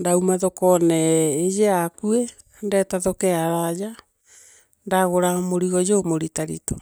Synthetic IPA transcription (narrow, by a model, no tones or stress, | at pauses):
ndaumaðɔkɔnɛejeakue | ndɛtaðɔkɛaɾad͡ʑa | ndaɣoɾamoɾiɣɔd͡ʑomoɾitaɾḭtɔ̥